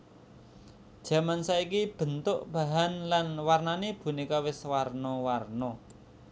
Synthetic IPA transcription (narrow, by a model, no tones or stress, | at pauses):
d̥ʒ̥ä̤mansaikib̥ə̤nt̪ʊʔb̥a̤ɦanlanwarnanib̥ṳnikawɪswarnɔwarnɔ